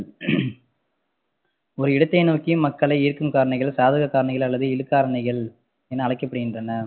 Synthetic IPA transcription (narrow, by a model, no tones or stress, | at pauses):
ɔɾɯɪɽɐt̪ːɐɪnoːkːimːɐkːɐɭɐɪɪɾɯkːɯmkaːɾɐɳɐɪɣɐɭsaːðɯɣɐkːaːɾɐɳɐɪɣɐɭɐlːɐðɯɪlɯkːaːɾɐɳɐɪɣɐɭ | ɛnːɐɐɭɐɪkːɐpːɐɽɯɣɪndrɐnɐ